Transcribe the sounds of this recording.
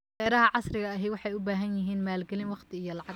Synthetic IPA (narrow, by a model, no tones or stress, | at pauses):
ɛːɾɐɦɐʕɑsrɪɣɐːɦɛwɑħɑjʊbaːɦɐnjɪɦiːnmaːlɡɛlɪnwɑqt̪ʰɪijɔlɑʕɑ